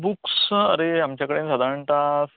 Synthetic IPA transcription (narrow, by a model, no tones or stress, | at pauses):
buksə̰ɾeamt͡ɕjakəɽensəd̪ʱaɾəɳʈ̪as